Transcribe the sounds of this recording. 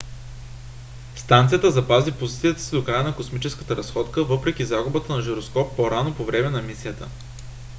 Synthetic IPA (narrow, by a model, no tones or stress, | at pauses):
st̪ant̪sijət̪əzɐpazipozit̪sijət̪ə̥sid̪okɾajənɐkosmit͡ʃɛskə̥t̪əɾɐsxɔt̪kəvɤpɾɛk̟izaɡʊbət̪ənɐʒiɾoskɔpːoɾanopovɾɛmɛnɐɛmisijət̪ə̰